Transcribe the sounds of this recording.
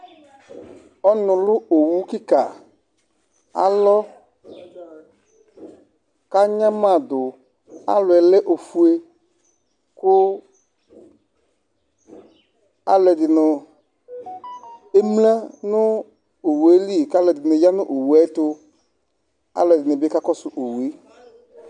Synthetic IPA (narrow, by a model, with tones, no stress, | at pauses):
ɔ˦nʊ̃˨lʊ˦o˨wu˦ki˦ka˨ | a̰˨lɔ˦ | ka˦ɲã˦mã˦˨d̪ʊ˨ | a̰˦lʊ˨ɛ˨lɛ˦ʔo˨fu˦e˦ | kʊ˦ | a̰˦lɛ˨dɪ˨nʊ˨ | e˦mlã˦nʊ̃˦ | o˨wu˨e˨˦li˦˨ka˦lɛ˨dɪ˨nʊ̃˨ja˦nʊ̃˦ʔo˨wu˨ɛ˨˦tʊ˦ | a̰˦lɛ˨dɪ˨nʊ̃˨be˦ka˦kɔ˦sʊ˨ʔo˨wu˨e˦